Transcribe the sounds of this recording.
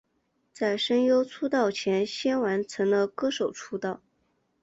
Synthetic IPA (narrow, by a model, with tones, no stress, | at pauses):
t͡sa˥˩ɪʂə˥ŋjo˥ʊt͡sʰu˥t̪ɑ˥˩ʊt͡ɕʰjɛ˧˥nɕjɛ˥nwa˧˥nt͡sʰɤ˧˥ŋd̪ə˧kɤ˥ʂo˨˩ʊʈ͡ʂʰu˥t̪ɑ˥˩ʊ